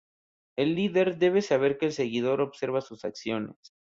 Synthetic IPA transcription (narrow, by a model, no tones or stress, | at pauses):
e̞lːiðe̞ɾðe̞βesaβ̞e̞ɾkeːlse̞ɣiðo̞ɾo̞βse̞ɾβasusaksjo̞nḛs